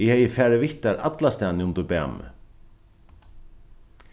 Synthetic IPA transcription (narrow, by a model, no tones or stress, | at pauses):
ɪhɛjəfɛːɹɪʋɪht̪aɾʔa̰t̪last̪ɛːnɪʊmt̪ʊpæ̰ːmʏ̰